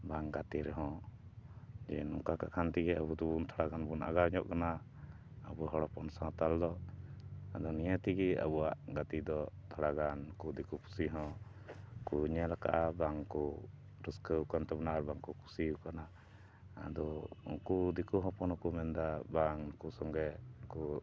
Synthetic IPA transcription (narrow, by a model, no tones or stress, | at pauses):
baŋɡat̪iɾɛɦɔ̃ | d͡ʒɛnɔŋkakakʰant̪iɡɛabud̪ɔbunt̪ʰɔɽaɡanbunʔa̰ɡaɲɔʔkana | abuɦɔɽɔpɔnsãt̪ald̪ɔ | ad̪ɔnijət̪iɡɛa̰buwaʔɡat̪id̪ɔt̪ʰɔɽaɡankud̪ikupʰu̥siɦɔ̃ | kuɲɛlaka̰ʔabaŋkɔ | ɾuskəwkant̪ɛbanaːɾbaŋkukʰu̥sikana̰ː | d̪ɔṵŋkud̪ikuɦɔ̃pɔnɔkumɛnd̪abaŋkusɔŋɡɛku